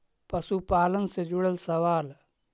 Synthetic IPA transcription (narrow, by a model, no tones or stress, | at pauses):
pɐsupaːlənsed͡ʒuɽəlsɐʋaːl